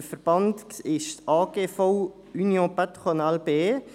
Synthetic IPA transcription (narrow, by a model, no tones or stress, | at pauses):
fəɾb̥ɑntkɪʃt̪ɑːɡefow | ynjõːpɛt̪χonalbeː